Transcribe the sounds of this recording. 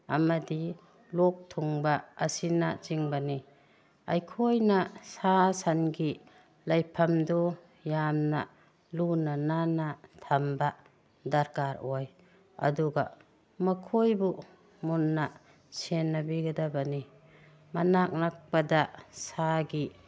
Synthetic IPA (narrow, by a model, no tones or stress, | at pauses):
a̰madi | lɔk̚tʰuŋbaːsinat͡ʃiŋbani | ajkʰojnasasanɡi | lajpʰamdɔ | jamna | lunananatʰamba | daɾkaɾoj | ɐ̰duɡa | makʰojbu | munːa | senːabiɡadabani | manak̚nak̚padasaɡi